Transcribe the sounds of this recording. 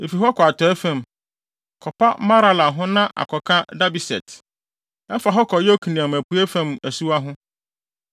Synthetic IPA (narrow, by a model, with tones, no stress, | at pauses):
e˨fi˨ɦɔ˦kʰɔ˨a˨tʰɔ˨ɛ˦fæ̃˨m | kʰɔ˨pa˦mã˦ɾa˦la˨ɦʊ̃˦nã˦ʔa̰˨kʰɔ˨kʰã˦da˦bi˨sɛ̰˨tʰ | ɛ˦fa˨ɦɔ˦kʰɔ˨jɔ˦kʰĩ˨nĩ˨ã˨mæ˨pu˨˦ɛ˦fæ̃˦mæ˨su˦a˦ɦʊ̃˦